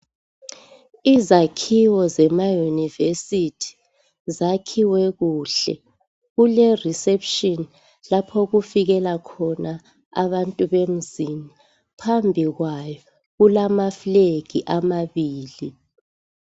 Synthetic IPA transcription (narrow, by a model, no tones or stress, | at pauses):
izakʰiwɔzɛmajunivesitʰi̥ | zakʰiwɛɣuːɬɛ̰ | ɣulɛrisɛpʃɔn | lapʰɔɣufiɣɛlakʰɔna | a̰βantʼuβem̩zini | pʰambʱiɣwajɔ | ɣulamafleɡʱiʔamaβiːli